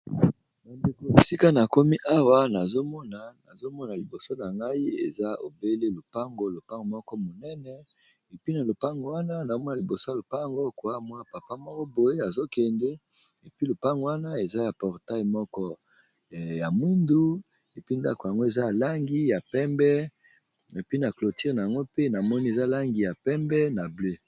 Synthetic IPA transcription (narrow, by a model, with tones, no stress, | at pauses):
na˨nde˨ko˨e˨si˦ka˦na˨ko˦mi˦ʔa˦wa˦na˨zo˦mɔ˦na˨na˨zo˦mɔ˦na˨li˨bo˨so˦na˨ŋɡa˦i˦ḛ˨za˦o̰˨be˦le˦lo˨pa˦ŋɡo˦lo˨pa˦ŋɡo˨mɔ˦kɔ˦mo˨nɛ˦nɛ˨ | e˨pi˦na˨lo˨pa˦ŋɡo˨wa˦na˦na˨o˦mɔ˦na˨li˨bo˨so˦a˨o˨pa˦˨ŋɡo˦˨ko˨a˦˨mɔ˦a˨pa˨pa˦mɔ˦kɔ˦bo˨je˦a˨zo˦kɛ˨nde˦ | e˨pi˦lo˨pa˦ŋɡo˨wa˦na˦e˨za˦ja˨pɔ˨ʁta˦jmɔ˦kɔ˦˨ | ja˨mwi˦ndu˦ | e˨pi˦nda̰˦ko˨ja˨ŋɡo˦e˨za˦a˨la˦ŋɡi˦ja˨pɛ˦mbɛ˦ | e˨pi˦na˨klo˨ti˦ʁna˨ja˨ŋɡo˦pe˦na˨mɔ˦ni˦e˨za˦la˦ŋɡi˨ja˨pɛ˦mbɛ˦na˨ble˦